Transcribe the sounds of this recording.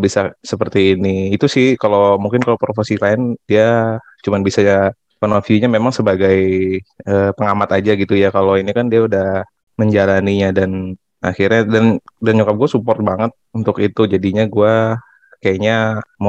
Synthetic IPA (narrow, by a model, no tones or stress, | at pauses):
bisasəpərt̪iːniːt̪usɪhkalomuŋkɪnkalopɾofesilaɪnd̥ia | t͡ʃumanbisaa | pənofiuɲamemaŋsəbaɡaj | əpəŋamat̪ad͡ʒaɡit̪ujakaloinikandiaudah | məɲd͡ʒalaniɲadan | axirɲadandanɲukap̚ɡuasupɔrt̪̚baŋət̪̚unt̪ʊkit̪ud͡ʒadiɲaɡua | kajaɲam